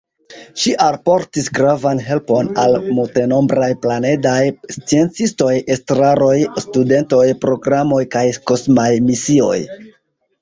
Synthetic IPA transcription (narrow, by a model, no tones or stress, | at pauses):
ʃiʔalpo̞ɾtisɡɾavanɦe̞lpo̞nalmulte̞no̞mbɾajplane̞dajst͡sie̞nt͡sisto̞jestɾaɾo̞jstude̞nto̞jpɾo̞ɡɾamo̞jkajko̞smajmisio̞̰j